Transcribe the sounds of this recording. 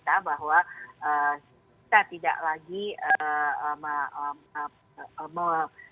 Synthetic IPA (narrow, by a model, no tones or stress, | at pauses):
t̪abaɦwaʔə | it̪at̪ida̰ʔlaɡiəma | mə